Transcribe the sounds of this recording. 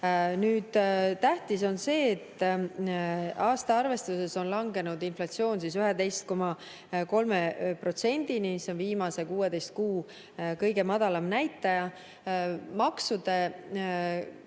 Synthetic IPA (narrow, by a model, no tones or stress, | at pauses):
nyːd̪̥t̪æht̪iso̞nse̞ːt̪ː | ɑːst̪ɑɑrve̞st̪use̞so̞nlɑŋɡe̞nud̪inflɑt̪sio̞ːnsisyɦed̪e̞jst̪̚ko̞mɑ | ko̞lmepro̞t̪se̞nʲd̪̥iniseonviːmɑse̞kuːed̪e̞jst̪̚kuː | kɤjɡ̥e̞mɑd̪ɑlɑmnæjt̪ːˑɑjɑ | mɑksud̪̥e̞